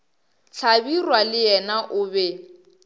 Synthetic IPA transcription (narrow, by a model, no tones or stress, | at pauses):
ɬʰabirwalɪjɛnaʔʊbɛ